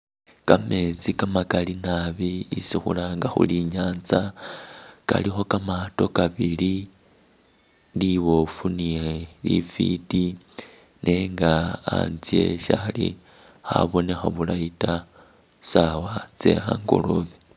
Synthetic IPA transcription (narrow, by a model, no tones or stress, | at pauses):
kame̞t͡sikamakalinaβiːsixṵlaŋɡaxṵliɲaːnza | ka̰lixo̞kamato̞kaβili | liβo̞funielḭfḭti | nʔeŋɡa̰ːnzje̞̰ʃalḭ | xa̰βo̞nexaβulaita | sawat͡se̞̰xa̰ŋɡo̰loβi